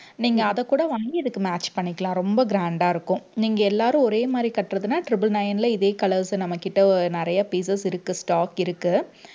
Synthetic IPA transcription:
niːŋɡɐːðɐkːuːɽɐʋɐɐɡiɛðɯkːɯmaːt͡ʃːpɐɳːɪkːɐlãːɾɔmbɐɡɾaːɳɖaːɪɾɯkːʊ̃niːŋɡɐɛlːaːɾʊ̃ɔɾeːmaːd̪ɾikɐʈːɾɐðɯnaːʈɾɪbɪlnɐjɐnɪlɐɪðeːkɐlɐɾsɯnɐmːɐkːɪʈːɐɔɾɯnɪɾɐjɐpiːs̬ɐsɪɾɯkːɯsʈaːkɪɾɯkːɯ

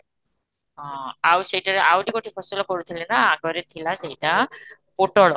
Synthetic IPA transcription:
ɔ̃awseɦiʈaɾeʔawɖikoʈʰipʰɔsulakɔɽut̪ʰilenaːɡɔɾet̪ʰilaseɦiʈapoʈɔɭɔ

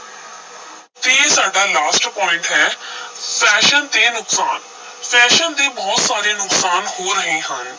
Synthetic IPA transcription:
t̪esaːɖaːlaːsʈpɔːɪ̃ɳʈɦɛːfʰɛːʃənt̪eːnʊksaːn | fʰɛːʃənd̪eːbɔːt̪saːɾeːnʊksaːnɦoːɾəɦẽːɦən

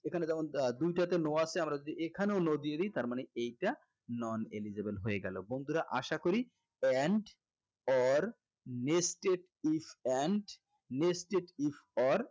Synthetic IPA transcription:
ekʰaned͡ʑɛmond̪ujʈat̪enoaseamɾad͡ʑod̪iʔekʰaneonod̪ied̪it̪aɾmaneejʈa | nɔnelid͡ʑebelɦoeɡɛlo̰bond̪ʱuɾaʔaʃakoɾi | ɛɳɖ | ɔɾ | nesʈeʈ | ifʰɛɳɖ | nesʈeʈifʰɔɾ

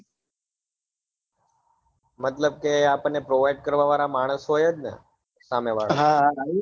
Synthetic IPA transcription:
mət̪ləb̚keapənːepɾoʋajɖ̚kəɾʋaʋaɾamaɽ̃əsɦojed̪nə̰ | sameʋaɽɦã

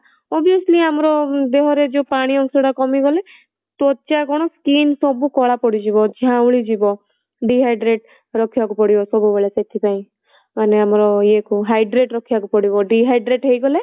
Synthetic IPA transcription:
ɔbijɔsliamɔɾɔd̪eɦɔɾed͡ʒepaɽ̃iɔŋseɽakɔmiɡɔle | t̪ot͡ʃakɔɽ̃ɔskinsɔbukɔɽapɔɽid͡ʒibɔd͡ʒʱãwɭid͡ʒibɔ | ɖiɦajɖɾeʈ | ɾɔkʰibakupɔɽibɔsɔbubeɭeset̪ʰipaĩ | maneamɾɔjekuɦajɖɾeʈɾɔkʰibakupɔɽibɔɖiɦajɖɾeʈɦejɡɔle

